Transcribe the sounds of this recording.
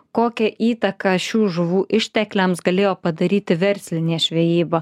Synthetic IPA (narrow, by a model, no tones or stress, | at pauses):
koːkʲɛʔiːt̪ɐkɐʃʲuːʒʊʋuːʔɪʃʲt̪ʲɛklʲɛmsɡɐlʲeːjoːpɐd̪ɐɾʲiːt̪ʲɪʋʲɛɾʲsʲlʲɪnʲeːʃʲʋʲɛjiːbo